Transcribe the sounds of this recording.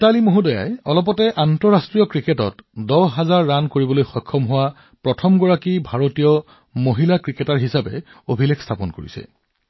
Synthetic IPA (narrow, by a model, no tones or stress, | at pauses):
talimoɦudɔja̰jɔlɔpɔtɛʔantɔɹastɹijɔkɹiketɔ̰tdɔwɦazaɹːankoɹibɔlojxɔjkʰːɔmɦʊwa | pɹɔtʰɔmɡɔɹakibʱaɹotijɔ | moɦilakɹiketaɹɦisabɛ̰ | obʱilɛkstʰapɔnkoɹḭsɛ̰